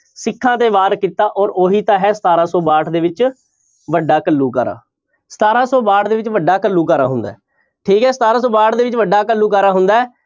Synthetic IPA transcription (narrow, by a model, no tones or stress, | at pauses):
sɪkʰːãːt̪eːʋaːɾkiːt̪aːʔɔːɾoːɦiːt̪ãːɦɛːsət̪aːɾãːsoːbaːʈʰd̪eːʋɪt͡ʃ | ʋəɖːaːkəlːuːka̰ːɾa̰ː | sə̥t̪aːɾãːsoːbaːʈd̪eːʋɪt͡ʃʋəɖːaːkəlːuːkaːɾa̰ːɦʊ̃nd̪a̰ːɛː | ʈʰiːkɦɛːsət̪aːɾãːsoːbaːʈd̪eːʋɪt͡ʃʋəɖaːkəlːuːkaːɾaːɦʊnd̪aːɛː